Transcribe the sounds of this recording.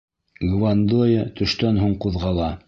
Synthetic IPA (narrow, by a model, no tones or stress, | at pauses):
ɡvand̪ojət̪ɵ̆ʃt̪ænɦuɴquðʁɑlˠɑ